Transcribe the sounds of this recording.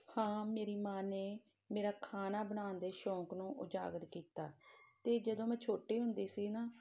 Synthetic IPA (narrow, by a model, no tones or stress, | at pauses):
hãːmeːɾiːmaːneː | meːɾaːkʰaːnaːbəɽaːnd̪eːʃɔ̃ːknũːʔʊd͡ʒa̰ːɡət̪kiːt̪a̰ːt̪eːd͡ʒəd̪õːmɛ̃ːt͡ʃʰoːʈeːɦʊnd̪eːsiːnaː